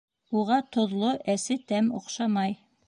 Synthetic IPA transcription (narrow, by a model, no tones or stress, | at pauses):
uʁɑt̪ŏðlˠoʔæsɘt̪æmoqʃɑmɑj